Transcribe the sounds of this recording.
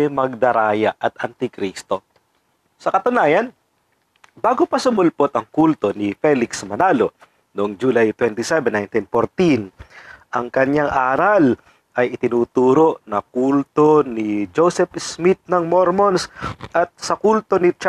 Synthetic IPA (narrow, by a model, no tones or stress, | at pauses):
ɛmɐɡ̚d̪ɐɾaːjɐʔɐt̪ɐnt̪ɪkɾist̪o̞ | sɐkɐt̪ʊnaːjɐn | baːɡopɐsʊmʊlpot̪ɐŋkult̪o̞nifɛlɪksmɐnaːlo̞ | noʔŋd͡ʒulajt̪wɛnt̪isɛvɛnːajnt̪infoɾt̪inʔɐŋkɐɲaŋʔaːɾal | ʔɐjɪt̪ɪnuːt̪uːɾo̞ʔnɐkult̪o̞nid͡ʒowsɛpsmit̪̚nɐŋmoɾmonsʔɐt̪̚sɐkult̪o̞nɪt͡ʃ